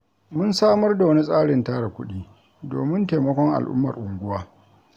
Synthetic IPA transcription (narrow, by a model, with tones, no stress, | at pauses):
mʊ˦nsaː˦mɐ˦rda˨wɐ˦ni˦sʼaː˦ɽɪ˨ntaː˦ɽa˨kʷʊ˦ɗiː˦ | doː˨mɪ˦nta˨mɐ˦kʷɔ˦ŋʔa̰˨lʔʊ̰˦mːɐ˨rʔʊ˨ŋɡʷʊ˦waː˦